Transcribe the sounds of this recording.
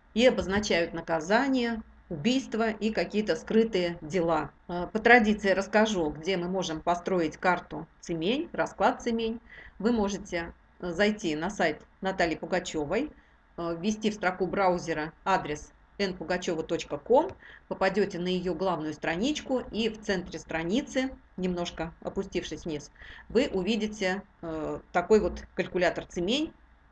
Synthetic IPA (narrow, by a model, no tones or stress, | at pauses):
iɐbəznɐt͡ɕæjʊt̪nəkɐzanʲɪjə | ʊbʲijst̪vəʔikɐkʲijət̪əskɾɨt̪ɨjədʲɪlˠapət̪ɾɐdʲit̪sɨɪɾəskɐʐuɡdʲe̞mɨmo̞ʐɨmpɐst̪ɾo̞jɪtʲkart̪ʊt̪sɨmʲenʲrɐsklˠat̪̚sɨmʲenʲvɨmo̞ʐɨtʲɪ | zɐjtʲinɐsajt̪nɐt̪alʲɪjpʊɡɐt͡ɕo̞vəj | vʲːɪsʲtʲifst̪ɾɐxubɾaʊzʲɪɾəad̪ɾʲɪs | ɛnpʊɡɐt͡ɕo̞vət̪o̞t͡ɕkəko̞mpəpɐdʲotʲɪnəjɪjo̞ɡlˠavnʊjʊst̪ɾɐnʲit͡ɕkʊift̪sɛnt̪ɾʲɪst̪ɾɐnʲit̪sɨ | nʲɪmno̞ʂkəɐ̰pʊsʲtʲifʂɨsʲnʲisvɨʔʊvʲidʲɪtʲɪ | t̪ɐko̞jvo̞t̪kəlʲkʊlʲat̪ərt̪sɨmʲenʲ